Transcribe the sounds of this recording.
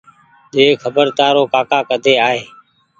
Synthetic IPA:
ɗeːkʰəbəɾt̪aːɾoːkaːkaːkəd̪ʱeːaːɦeː

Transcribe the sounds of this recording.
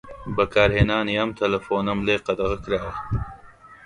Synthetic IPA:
bɐkaːɾɦenaːnjɐmt̪ʰɐlɐfoːnɐmleːqɐd̪ɐɣəkɾaː

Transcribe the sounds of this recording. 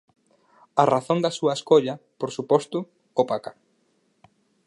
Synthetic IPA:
ɐraθoŋd̪ɐsuɐeskoʎɐpoɾsupɔst̪ʊ | opaka

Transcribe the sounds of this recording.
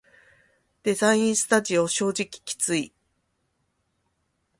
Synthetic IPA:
d̪̥e̞zaĩɰ̃sɨ̥t̪aʑio̞ɕo̞ːʑikʲi̥kʲi̥t͡sɨi

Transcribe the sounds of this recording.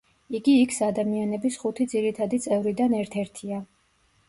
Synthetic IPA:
iɡiːkʰsad̪amianɛbisχut̪ʰid̪ziɾit̪ʰad̪it̪sʼɛvɾid̪anɛɾt̪ʰɛɾt̪ʰia

